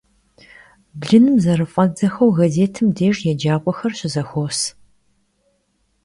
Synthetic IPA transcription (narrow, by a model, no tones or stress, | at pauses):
bɮɨnɨmzɐrɨfʼɐd͡zɐxɐwɣɐzeːtʰɨmdeːʒjɛd͡ʒaːkʷʼɔxɐrɕɪzɐxʷoːs